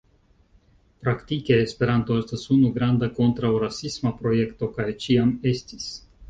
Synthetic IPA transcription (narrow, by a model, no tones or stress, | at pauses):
pɾaktike̞ːspe̞ɾanto̞e̞stasunuɡɾandako̞ntɾawɾasismapɾo̞je̞kto̞kajt͡ʃiame̞stis